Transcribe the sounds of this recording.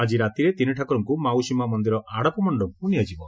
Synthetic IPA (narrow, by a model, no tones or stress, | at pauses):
ad͡ʒiɾat̪iɾet̪iniʈʰakɔɾɔŋkumawsimamɔnd̪iɾɔʔaɽɔpɔmɔɳɖɔkunijad͡ʒibɔ